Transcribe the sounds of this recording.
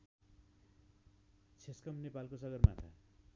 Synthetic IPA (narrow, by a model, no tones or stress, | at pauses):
t͡sʰeskʌmnepalkosʌɡʌrma̰t̪ʰa̰